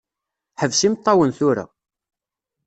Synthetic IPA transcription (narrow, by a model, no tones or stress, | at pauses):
ħəvsimt̪ˤːɑwənθuɾa̰